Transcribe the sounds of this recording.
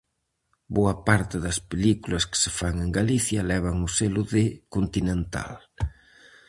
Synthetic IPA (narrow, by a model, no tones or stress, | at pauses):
boɐpaɾt̪ɪðɐspelikulɐskɪ̥sɪfaŋeŋɡaliθjɐlɛβ̞ɐŋʊselʊðɪkont̪inẽnt̪a̰l